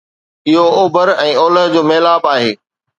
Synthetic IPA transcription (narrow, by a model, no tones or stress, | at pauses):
ɪɦooːbʱəɾɛ̃ːɔːləɦd͡ʑoːmeːlaːbaːɦeː